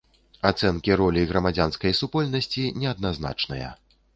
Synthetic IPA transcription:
at̪sɛnkʲiɾɔlʲiɣɾɐmad͡zʲanskɐjsupɔlʲnɐsʲt͡sʲinʲɛɐd̪̚nazna̰t͡ʂnɨjɐ̰

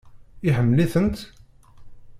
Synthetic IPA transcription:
ɪħəmːliθənt̪

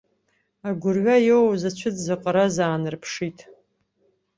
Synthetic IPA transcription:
aɡʷʊrɥajowzat͡ʃʷʰɨtzaqʼaɾazaːnɨrpʰʂitʰʼ

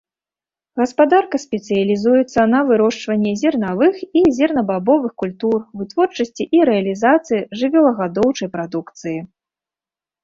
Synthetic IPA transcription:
ɣɐspad̪arkɐsʲpʲɛt̪sɨjɐlʲizujɛt̪sːɐnɐvɨɾɔʂt͡ʂvɐnʲːɛzʲɛrnavɨxizʲɛrnɐbabɔvɨxkulʲt̪urvɨt̪vɔrt͡ʂɐsʲt͡sʲiʔiɾɛɐlʲizat̪sɨjiʐɨvʲɛlˠɐɣad̪ɔwt͡ʂɐjpɾad̪ukt̪sɨji

